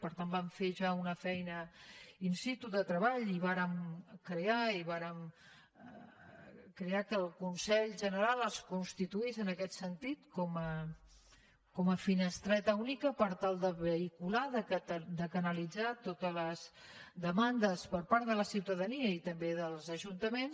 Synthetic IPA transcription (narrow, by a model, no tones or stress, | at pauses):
pəɾt̪ambaɱfeʒaunəfɛjnəinsit̪uðət̪ɾəβaʎiβaɾəmkɾeaiβaɾəm | kɾeakəlˠkunsɛʎʒənəɾalˠəskunst̪it̪uizənəkɛt̪sənt̪it̪kɔmə | kɔməfinəst̪ɾɛt̪əunikəpəɾt̪alˠd̪əβəikulaðəkəd̪əkənəlid͡zat̪ot̪ələzd̪əmand̪əspəɾpaɾt̪ðələsiwt̪əðəniəit̪əmbeðəlˠzəʒunt̪əmens